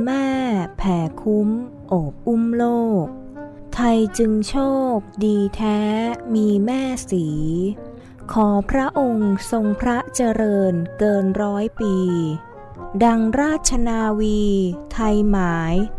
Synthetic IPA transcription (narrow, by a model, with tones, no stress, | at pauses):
mɛː˥˩pʰɛː˩˦kʰu˦˥m | ʔoː˨˩p̚ʔu˥˩mloː˥˩k̚ | t̪ʰa˧jt͡ɕɯ˧ŋt͡ɕʰoː˥˩p̚diː˧t̪ʰɛː˦˥miː˧mɛː˥˩siː˩˦ | kʰɔː˩˦pʰɾa˦˥ʔo˧ŋso˧ŋpʰɾa˦˥t͡ɕa˧ɾɤː˧nkɤː˧nɾɔː˦˥jpiː˧ | da˧ŋɾaː˥˩t̪̚t͡ɕʰa˧naː˧wiː˧t̪ʰa˧jmaː˩˦j